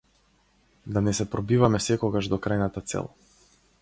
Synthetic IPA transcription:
d̪anɛsɛpɾɔbivamɛsɛkɔɡaʒd̪ɔkɾajnat̪at̪sɛ̰lˠ

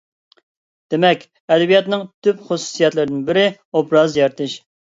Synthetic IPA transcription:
d̪̥ɪmɛkʲ | ɛd̪ɛbijɑt̪nɨŋt̪ʰypχʊsu̥sijɛt̪lɨɾd̪ɪnbɪɾɪ | obɾɑzjɑɾt̪ʰɨʃ

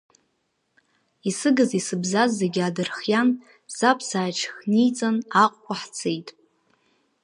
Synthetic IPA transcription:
isɨɡɨzisɨbzazːeɡʲadɨrχjan | zapʰsaːt͡ʃʰχnijt͡sʼanaqʷʼkʷʰaħt͡sʰejtʼ

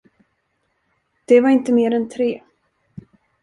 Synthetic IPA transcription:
d̪̥ɛvaɾɪnt̪əmeːɾɛnt̪ʰɾeː

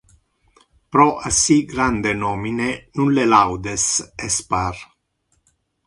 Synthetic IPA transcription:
pɾɔʔasiɡɾand̪enɔːminenunlelawd̪esɛspar

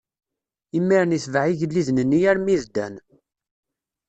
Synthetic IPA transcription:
imːiɾniθvʕiʝəlːiðnənːijæɾmiðd̪æ̰n

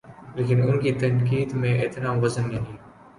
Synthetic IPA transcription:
leːkɪnʊnkit̪ɐnkiːd̪mẽʔeːt̪nãːmʋəzənːẽɦĩː

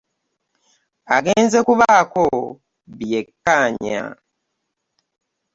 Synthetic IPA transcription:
aɡeːnzekuβako | βjekːaːɲa̰

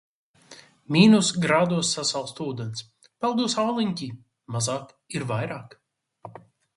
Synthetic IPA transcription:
mʲiːnusɡɾaːd̪uɔsːasalˠst̪uːd̪ɛns | pɛlˠd̪usawlˠiɲʲkʲi | mazaːk | iɾvajɾaːk

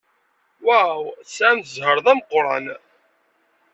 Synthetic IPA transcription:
wæwsæmzhəɾðˤæmqɾˤɑ̰n

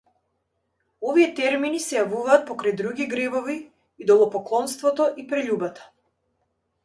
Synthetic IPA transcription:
ɔvijɛt̪ɛɾminisɛjavuvaːt̪̚pɔkɾajd̪ɾuɡʲiɡɾɛbɔviː | d̪ɔlˠɔpɔklˠɔnst̪vɔt̪ɔʔipɾɛʎubat̪ḁ

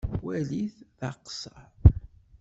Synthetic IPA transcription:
wæliθðɑqsɑ

